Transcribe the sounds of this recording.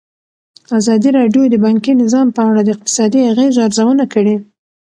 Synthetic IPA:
azɑd̪iɾɑɖjod̪əbɑŋkinɪzɑmpəaɽad̪əɪq̚t̪ɪ̥sɑd̪iaɣezaɾzawənakəɽi

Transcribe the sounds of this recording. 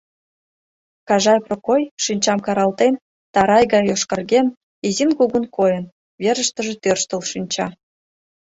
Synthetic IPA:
kɑʒɑjprokojʃinʲt͡ɕɑmkɑɾɑlˠt̪en | t̪ɑɾɑjɡɑjoʃkɑ̆rɡʲen | izinkuɣunkʰojə̆n | βʲeɾə̆ʃt̪ə̆ʒĕt̪ørʃt̪ə̆lˠʃinʲt͡ɕɑ

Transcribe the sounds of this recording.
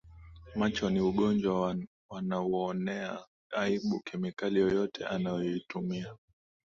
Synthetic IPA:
mat͡ʃɔniuɠɔnd͡ʒwa | wanaɔɔnɛa | aiɓukʰɛmikalijɔjɔtɛ̰ʔanajɔitumia

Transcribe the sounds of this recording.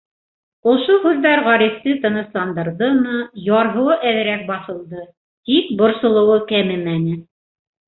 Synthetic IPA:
ŏʃohʉðːæɾʁɑɾift̪ɘt̪ɤ̆nɤ̆slˠɑnd̪ɤ̆ɾðɤmɤjɑɾɦɤ̆wɤʔæðɘ̆ɾæk̚bɑθɤ̆lˠd̪ɤ | t̪ik̚bŏɾsŏlˠɤ̆wɤkæmɘmænɘ

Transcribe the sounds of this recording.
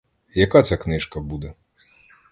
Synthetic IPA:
jakat̪sʲaknɨʂkɐbud̪ɛ

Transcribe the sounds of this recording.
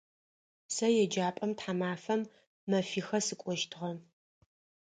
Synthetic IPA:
sɐjɛd͡ʒaːpʼɐmtħamaːfɐmː | ɐfiːxɐsɨkʷʼɔʃtʰɨʁɐ

